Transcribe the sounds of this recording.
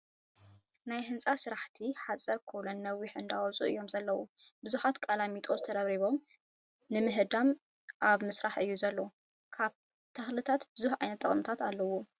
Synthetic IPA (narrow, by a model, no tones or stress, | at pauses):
najɦɨnt͡sʼasɨɾaħt̪ʰiħat͡sʼɐɾkʰolunːɐwiħɨnd̪awɐt͡sʼṵʔɨ̰jːo̞mzɐlːɐwubɨzuħat̪kʼalamit̪ʼo̞zɨt̪ʰɐd̪ɐβɾiβo̞m | nɨmɨɦɨd̪am | ʔaβmɨsɾaħɨjːuzɐlːo | kʰaβ | t̪ʰɐxlɨt̪ʰat̪b̥ɨzuħʕajnɐt̪ʼːɐχʼmt̪ʰat̪alːɐwo